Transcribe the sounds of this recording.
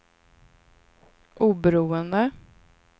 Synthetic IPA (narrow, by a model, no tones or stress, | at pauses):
ʔuːbɛɾuːənd̪ə